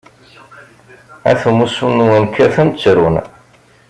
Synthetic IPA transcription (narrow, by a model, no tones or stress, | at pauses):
æ̰θumusunuwənkʰːæθənt͡sːɾun